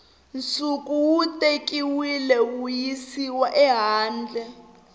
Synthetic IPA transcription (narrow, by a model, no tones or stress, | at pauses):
nt͡sʼukʼuwutʼekʼiwilɛujisiwaʔɛɦaːnd͡ɮʱɛ